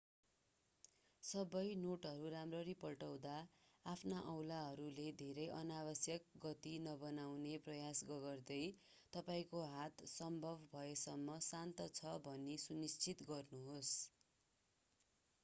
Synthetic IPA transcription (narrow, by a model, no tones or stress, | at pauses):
sʌbʌjnoʈɦʌɾuɾamrʌɾipʌlʈʌw̃d̪aːpʰnaʔʌwlaɦʌɾuled̪ʱeɾʌjʔʌnabʌsjʌk̚ɡʌt̪inʌbʌnawneprʌjasɡʌɡʌrd̪ʌj | t̪ʌpaĩkoɦat̪sʌmbʱʌbʱbʱʌesʌmːʌsant̪ʌt͡sʰʌbʱʌnːesunist͡sʰit̪ɡʌrnuɦos